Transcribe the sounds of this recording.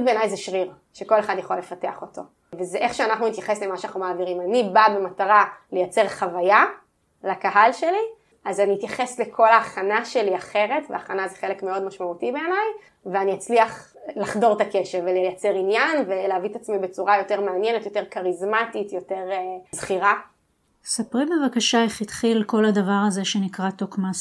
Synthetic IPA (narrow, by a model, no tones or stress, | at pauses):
beːnajzɛʃʁiʁ | ʃeko̞le̞χadjaχo̞lefate̞aχo̞to̞ | vezeʔeχʃeanaχnunit̪jaχe̞slemaʃeanaχnumaːviʁimanibabe̞mataʁale̞jat͡se̞ʁχavaja | lakaɦalʃe̞li | azaniit̪jaχe̞slekʰo̞laːχanaʃe̞liaχe̞ʁe̞tveaːχanazeχe̞lekmeo̞dmaʃmautibeːnaj | veanijat͡sliaχ | laχdo̞ʁtake̞ʃevelejat͡se̞ʁinjanve̞leavit̪at͡smibet͡suʁajo̞teʁmeanjenetjo̞te̞ʁkaʁizmatitjo̞te̞ʁezχiʁa | sapʁimbevakaʃaeχitχilko̞ladavaʁazeʃenikʁatokmas